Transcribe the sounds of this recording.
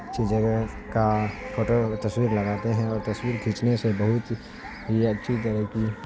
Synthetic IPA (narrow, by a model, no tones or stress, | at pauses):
tːʃʰid͡ʒəɡə | kafʰoːʈəɾt̪ɐswiːɾlɐɡaːt̪eɦɛ̃ɔːɾt̪ɐswiːɾɡʱit͡ʃnesebɐɦʊt̪ | ɦiɐtːʃʰit̪̬əɾəɦki